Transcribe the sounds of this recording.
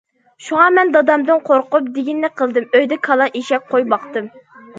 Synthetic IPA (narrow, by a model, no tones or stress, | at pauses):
ʃuŋɑmɛnd̪ɑd̪ɑmd̪ɨnqʰoɾqʊp̚d̪ɪɡʲinːɪqʰəlˠd̪ɨmøjd̪ɛkʰɑlˠɑʔiʃɛk̚ʲqʰojbɑqt̪ɨm